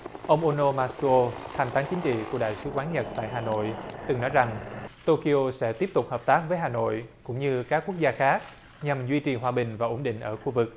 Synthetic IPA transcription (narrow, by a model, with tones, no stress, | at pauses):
ʔə˧wŋ͡mʔo˧no˧maː˧so˧t̪ʰa˨˩ŋt̪aː˨˦ŋt͡ɕï˨˦ŋ̟t͡ɕḭ˧˨ku˧˩əɗa̰ː˧˨jsɨ˨˦kwaː˨˦nɲə˨˩t̚t̪a̰ː˧˨jɦaː˨˩no̰˧˨jt̪ɨ˨˩ŋnɔ˨˦jza˨˩ŋt̪o˧ki˧o˧sɛ̰˧˥t̪i˦˥əp̚t̪ʊ˨˩k͡p̚həː˨˩p̚t̪aː˦˥k̚vəː˨˦jɦaː˨˩no̰˧˨jkʊ̰˧˥ŋ͡mɲɨ˧kaː˦˥kːu˦˥ək̚zaː˧xaː˦˥k̚ | ɲa˨˩mzwi˧t͡ɕḭ˨˩ɦwaː˧ɓï˨˩ŋ̟vaː˨˩ʔo˨˧˩nɗḭ̈˧˨ŋ̟ʔəː˧˩xu˧vɨ˨˩k̚